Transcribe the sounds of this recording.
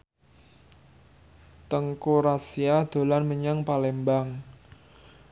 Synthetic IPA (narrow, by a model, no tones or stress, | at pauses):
t̪əŋkuɾasiad̪̥o̤lanməɲaŋpalembaŋ